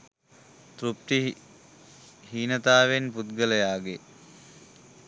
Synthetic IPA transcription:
t̪ɾup̚t̪i | hiːnət̪aːʋenput̪̚ɡələjaːɡe

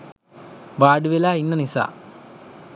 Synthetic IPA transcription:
ʋaːɖuʋelaːinːənisa̰ː

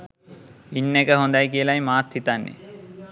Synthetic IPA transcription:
inːekəɦond̪ajkiəlajmaːt̪hit̪anːḛ

